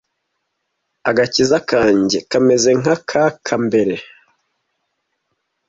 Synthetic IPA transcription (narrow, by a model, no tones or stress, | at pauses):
aɡacizakaːɲɟekame̞ze̞ŋakʰakʰambe̞ɾe̞